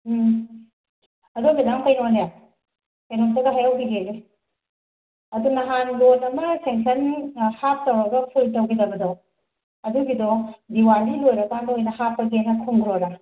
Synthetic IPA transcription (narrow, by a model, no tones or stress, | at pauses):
ɐdoɡidaŋkɐjnɔnja | kɐjnɔŋtaɡɐɦajawbiɡeɾe | ɐdunɐɦanlonɐmɐseŋsʰɐnhap̚tɐwɾɐɡɐpʰultɐwɡidɐbɐdɔ | ɐduɡidɔdiwalilojɾɐkandɐojnɐhapːɐkenɐkʰuŋɡɾoɾa